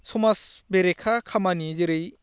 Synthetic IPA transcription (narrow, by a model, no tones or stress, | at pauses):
sɔmasbeɾekʰakʰamanizeɾɯj